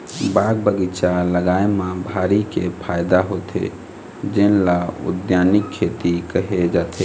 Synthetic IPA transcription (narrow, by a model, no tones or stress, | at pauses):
baɡ̚bəɡit͡ʃaləɡaemãbʱaɾikepʰajd̪aɦot̪ʰḛ | d͡ʒenlaṵd̪janikʰːet̪ikəɦed͡ʒat̪ʰe